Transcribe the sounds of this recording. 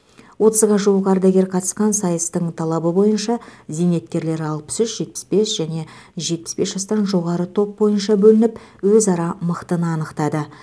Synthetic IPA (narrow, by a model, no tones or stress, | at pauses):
wo̞t̪əzʁɑʒuwəʁɑɾd̪æɡʲe̞ɾqʰɑt̪əsqɑnsɑjəst̪əɴt̪ʰɑlˠɑbəbo̞jənʃɑzene̞t̪̚kʲe̞ɾle̞ɾɑlˠpə̥sʏʃʒ̥e̞t̪̚pɪ̥sbe̞sʒ̥æne̞ | ʒe̞t̪̚pɪ̥sbe̞sʒ̥ɑst̪ɑnʒo̞ʁɑɾət̪ʰo̞p̚bo̞jənʃɑbɵlɪnɪp | wɵzɑɾɑməqt̪ənəɑnəqt̪ɑd̪ə